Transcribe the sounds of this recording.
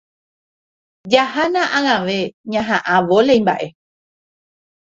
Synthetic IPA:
d͡ʒahanãʔãŋãʋe̞ɲãɦãʔaʋolejmbaʔe̞

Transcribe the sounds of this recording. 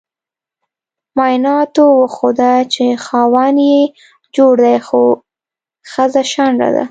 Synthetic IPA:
mɑjnɑt̪owəxod̪at͡ʃexɑwanje | d͡ʒoɽd̪ajxo | xəzaʃanɾa̰d̪a̰

